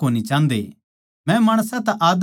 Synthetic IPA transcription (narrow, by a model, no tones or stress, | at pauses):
oːnit͡ʃãːnd̪ḛ | mɛ̃maːɽ̃sãt̪ɛʔaːd̪